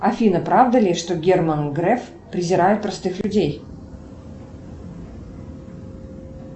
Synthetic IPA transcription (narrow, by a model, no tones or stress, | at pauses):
ɐfʲinəpɾavd̪əlʲɪʂt̪oɡʲermənɡɾɛf | pɾʲɪzʲɪɾajɪt̪̚pɾɐst̪ɨxlʲʉdʲej